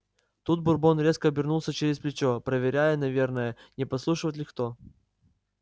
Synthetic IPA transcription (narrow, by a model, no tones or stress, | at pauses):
t̪ut̪̚bʊrbo̞nɾʲe̞skəɐbʲɪrnulˠsʲət͡ɕeɾʲɪsplʲɪt͡ɕopɾəvʲɪɾʲæjənɐvʲe̞rnəjənʲɪpɐslˠuʂɨvətʲlʲɪxt̪o